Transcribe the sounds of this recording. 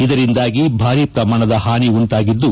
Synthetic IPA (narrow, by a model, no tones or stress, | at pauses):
id̪ɐɾind̪aːɡibʱaːɾit̪ɐmɐɳɐd̪ɐhaːniuɳʈaːɡid̪ːu